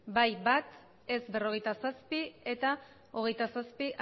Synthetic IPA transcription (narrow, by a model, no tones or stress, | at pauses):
bajbat̪ | e̞zbe̞ro̞ɣ̞e̞jt̪asaspie̞t̪a | o̞ɣ̞e̞jt̪asaspiʔ